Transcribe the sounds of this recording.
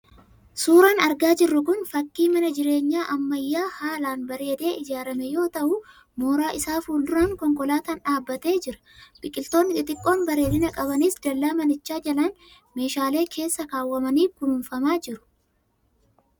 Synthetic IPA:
suːɾɐnɐɾɡaːd͡ʒɪrːʊkʊnfɐkːiːmɐnɐd͡ʒɪɾe̞ːɲːaːʔɐmːɐjːaːhaːlaːnbɐɾe̞ːd̪e̞ːɪd͡ʒaːɾɐmɛjo̞ːt̪ɐʔʊ | mo̞ːɾaːʔɪsaːfuːld̪ʊɾaŋkɔŋkʼɔlaːt̪ɐnᶑaːbːɐt̪e̞ːd͡ʒɪɾɐ̥ | bɪkʼːɪlt̪o̞ːnːɪk̪ɪt̪ʼɪkʼːo̞ːnbɐɾe̞ːd̪ɪnɐkʼɐβɐniːsd̪ɐlːaːmɐnɪt͡ʃːaːd͡ʒɐlɐn | me̞ːʃaːle̞ːkʰe̞ːsːɐkaːwːɐmɐniːkʊnʊnfɐmaːd͡ʒɪɾʊ̥

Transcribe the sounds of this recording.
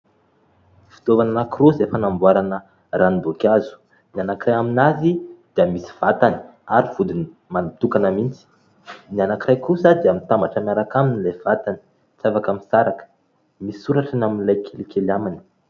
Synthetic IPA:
fi̥t̪ovananakirozefanambuaɾanə | ranibokʲazu̥ | nianakirajaminazid̪̥iəmisi̥v̥at̪ani̥ | aɾiv̥ud̪ini | manit̪ukanəmint͡si̥ | nianakirajkusəd̪iamit̪ambaʈ͡ʂamaɾakaminilav̥at̪ani̥ | t͡savakamisaɾakə̥ | misuɾaʈ͡ʂanaminlajkʰelikʰelamani̥

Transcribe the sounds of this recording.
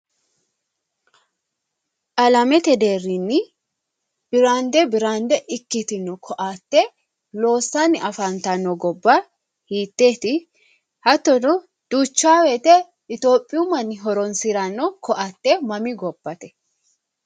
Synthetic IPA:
ʔɐlɐmɛt̪ɛd̪eːrːinːɪ | b̥ɪɾaːnd̪ɛbɪɾaːnd̪ɛʔɪkːɪt̪ɪnːɔkʰɔʔaːt̪ːɛ | lo̞ːsːaːnːɪʔɐfɐnt̪ɐnːɔɡɔbːɐ | hiːt̪ːe̞ːt̪ɪ | hɐt̪ːɔnɔ | d̪̥uːt͡ʃːaːwɛt̪ɛ | ɪt̪o̞ːpʼːɪjumɐnːɪɦɔɾɔnsɪɾanːɔkʰɔʔat̪ːɛmɐmɪɡɔbːɐt̪ɛ̥

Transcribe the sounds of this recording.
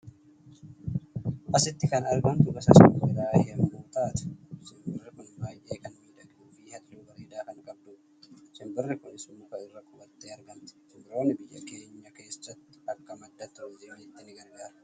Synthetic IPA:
ʔɐsɪt̪ːɪkɐnɐɾɡɐmt̪ʊɡɐsɐsɪmbɪd̪aːhɪɐmmuːt̪aːt̪ʊ̥sɪmbɪrːɪkʊnbaːjʔeːkɐnwijᶑ̪ɐɡuːfiːhɐt̪luːɡɐɾeːd̪aːkɐnkʼɐb̚d̪uː | sɪmbɪrːɪkʊnɪsʊmːʊkɐɪrːɐkʼʊbɐt̪ːeːɐɾɡɐmt̪ʊ̥t͡ʃɪmbɪɾoːnːɪbɪjːɐ̰ke̞ːɲːɐke̞ːsːɐt̪ːɪ̥ɐkːɐmɐd̪ːɐt̪ːɪozeːmiːɪt̪ːɪnɪɡɐɾɡaːɾɐ̥

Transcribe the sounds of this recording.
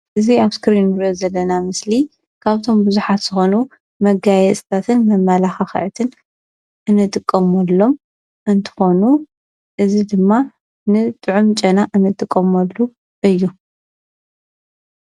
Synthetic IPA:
ʔɨziaβskɾinɾozɐlːɐnamɨsli | kʰaβt̪ʰo̞mbɨzuħat̪z̥ɨxo̞nu | mɐɡajɛt͡sʼɨt̪ʰat̪ʰɨnmɐmːalaxaxɐ̰ʕɨt̪ʰɨn | ʔɨnɨt̪ʼɨkʼːɐmɐlːo̞m | ʔɨnt̪ʰɨ̥xo̞nu | ʔɨzid̪ɨmːa | nɨt̪ʼɨʕumt͡ʃʼɐnaʔɨnɨt̪ʼɨkʼːɐmɐlːu | ʔɨjːu

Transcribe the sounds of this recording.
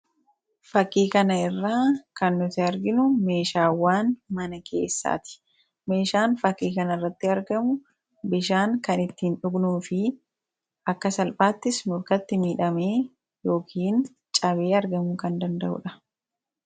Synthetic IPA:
fɐkːiːkɐnɐɪrːaːkɐnːʊt̪ɪɐɾɡɪnʊme̞ːʃaːwːaːnmɐnɐkʰe̞̰ːsːa̰ːt̪ɪ̥ | me̞ːʃaːnfɐkːiːkɐnɐrːɐt̪ːɪɐɾɡɐmʊ | bɪʃaːŋkɐnɪt̪ːiːnᶑʊɡnuːfɪ | ʔɐkːɐsɐlpʼaːt̪ːɪsmʊɾkɐt̪ːɪmiːᶑɐme̞ː | jo̞ːkʰiːn | t͡ʃʼɐβe̞ːɐɾɡɐmʊkɐnd̪ɐnd̪ɐʔʊ̰ᶑɐ

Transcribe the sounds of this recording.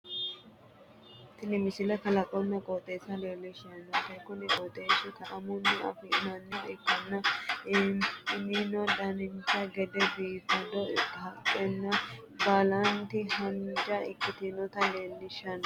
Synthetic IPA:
t̪ːɪnɪmɪsɪlɐkɐlɐkʼɔnːɛkʼɔt̪ʼeːsɐleːlːɪʃɐnɔt̪ːɐkːʊnɪʔʼɔt̪ʼeːʃɪk̪ɐʔɐmʊnːɛɐ̰fɪnɐnːɐɪkːɐnːɐ | ninɔdɐnɪnt̪ːɐɡɛd̪ɛbiːbɐd̪ɔɐkʼːɛnːɐ | bɐlɐnt̪ɪhɐnd͡ʒɐɪkːɪt̪ɪnɔt̪ɐle̞ːlːɪʃɐn

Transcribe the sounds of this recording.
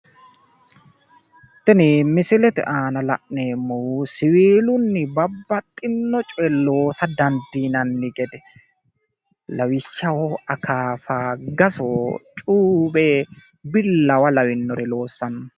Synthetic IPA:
t̪ɪnɪmɪsɪlɛt̪ɛ̰ʔaːnɐlɐ̰ʔneːmːɔwusɪwiːlʊnːɪbɐbːɐt̪ʼːɪnːɔt͡ʃʼɔɛlo̞ːsɐd̪ɐnd̪iːnɐnːɪɡɛd̪ɛ | lɐwɪʃːɐwɔɐkaːfaːɡɐsot͡ʃʼuːbeː | bɪlːɐwɐlɐwɪnːɔɾɛlo̞ːsːɐnɐ

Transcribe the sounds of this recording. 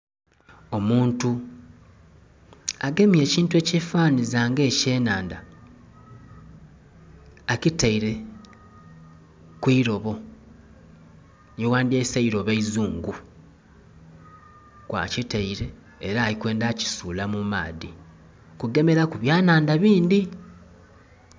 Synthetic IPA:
o̞muːntu | aɡe̞mje̞ːciːntuecefaːnizaŋɡe̞ːce̞ːnaːnda | citaiɾe̞ | kwiːɾo̞βo̞ | owaːndieːsaiɾo̞βaizuːŋɡu | kwa̰citaiɾe̞ː | ɾaːlikwe̞ːndaci̥suːlamuma̰ːði | kuɡe̞me̞ɾakuβjaːnaːndaβiːnd̪i

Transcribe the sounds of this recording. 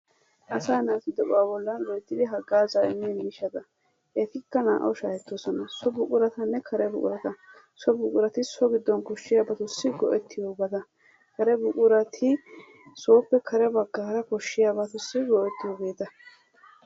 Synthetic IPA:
ʔɐsaːnaːt̪ɪd̪ɔʔaːbɔlːɐnwɔjt̪ːɪd̪ɪɦɐɡːaːzaːɪmːiːnmɪʃɐd̪ɐ | ʔɛt̪ɪkːɐna̰ːʔɐ̰wʃaːhɛt̪ːosɔnɐsɔbʊkʼʊɾɐt̪ɐnːɛkʰɐɾɛbʊkʼʊ̰ɾɐt̪ɐ | sɔbʊkʼʊɾɐt̪ɪsɔɡɪd̪ːɔnkɔʃːɪjaːbɐt̪ʊsːɪɡɔʔɛt̪ːɪjobɐt̪ɐ | kɐɾɛbʊkʼʊɾɐt̪ʰɪ | so̞ːpːɛkʰɐɾɛbɐɡːaːɾɐkɔʃːɪjaːbɐt̪ʊsːɪɡɔʔɛt̪ːɪjoɡeːt̪ɐ

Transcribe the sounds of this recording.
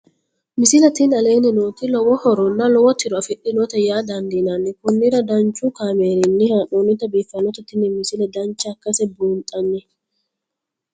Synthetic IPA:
mɪsɪlɐt̪ɪnɐle̞ːnɪnoːt̪ɪlɔwɔhɔɾɔnːɐlɔwɔt̪ɪɾɔɐfɪʔɪnɔt̪ɐjaːd̪ɐnd̪ɪnanːɪkʊnːɪɾɐd̪ɐnt͡ʃukaːmeːɾɪnːɪhaʔoːnɪt̪ɐbeːfːɐnːɔt̪ɐt̪ɪnːɪmɪsɪlɐd̪ɐnt͡ʃːɐkːɐsɛbuːnt̪ʼɐnːɪ

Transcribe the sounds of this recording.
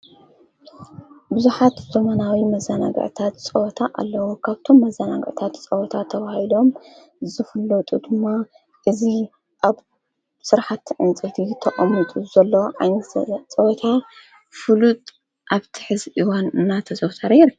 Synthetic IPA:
bɨzuħat̪zomɐnawimɐzana̰ɡ̰ʕt̪ʰat̪t͡sʼɐwɔt̪ʰaʔa̰lːɐwukʰaβt̪ʰo̞mːɐzanaɡ̰ʕt̪ʰat̪t͡sʼɐwɔt̪ʰat̪ʰɐβahilo̞m | zɨfɐlːot̪ʼud̪ɨmːa | ʔɨzi | ʔaβ | sɨɾaħat̪ʕɨnt͡sʼɨt̪ʰit̪ʰɐʔʼɐmit̪ʼuzɐlːoʕa̰jnɐ̰t͡sʼɐwɔt̪ʰa | fɨlut̪ʼ | ʔaβt̪ʰi̥ħɨzʔiwanɨnːat̪ʰɐzɐwt̪ʰaɾeɾ

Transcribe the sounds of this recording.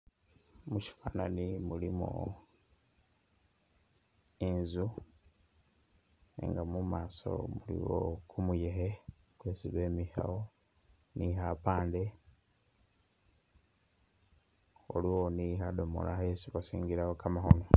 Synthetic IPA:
muci̥fananimulimṵ | inzu | ḛŋɡamumaːso̞̰mulḭwo̰kʰumuje̞ɦe | kwe̞ːsiβe̞ːmiha̰wo | nihapaːnde̞ | oliwo̞niɦado̞mo̞̰lahesiβasiːŋɡiɾawokamahono

